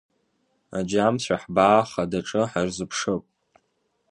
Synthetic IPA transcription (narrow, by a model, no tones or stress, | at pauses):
ad͡ʒamɕʷᶣaħbaːχadaʈ͡ʂʼɨħarzɨpʰʂɨpʼ